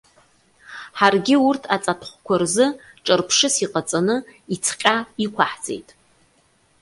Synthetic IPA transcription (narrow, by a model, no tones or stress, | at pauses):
ħarɡʲɪurtʰat͡sʼatʰχʷkʷʰarzɨ | ʈ͡ʂʼɨrpʰʂɨsiqʼat͡sʼanɨit͡sʰqʲʼaikʷʰaħd͡zʼḛjtʼ